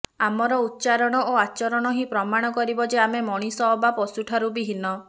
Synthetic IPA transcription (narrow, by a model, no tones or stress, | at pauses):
amɔɾɔut̪̚ːt͡ʃaɾɔɽ̃ɔʔoat͡ʃɔɾɔɽ̃ɔɦipɾɔmaɽ̃ɔkɔɾibɔd͡ʒeamemɔɽ̃isɔbapɔsuʈʰaɾubiɦinɔ